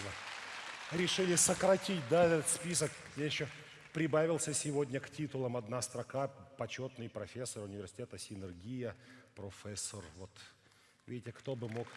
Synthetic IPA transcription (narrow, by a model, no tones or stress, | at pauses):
ə | ɾʲɪʂɨlʲɪsəkɾɐtʲitʲd̪aɛt̪ət̪spʲis̬əkmjʲejɪɕːo | pɾʲɪbavʲɪlˠsʲəsʲɪvo̞dʲnʲəktʲit̪ʊlˠəmɐd̪nast̪ɾɐkapɐt͡ɕo̞t̪nɨjpɾɐfʲesːəɾʊnʲɪvʲɪrsʲɪ̥tʲet̪əsʲɪnɨrɡʲijəpɾofʲɛsːərvot̪ | vʲidʲɪtʲɪkt̪o̞bɨmo̞k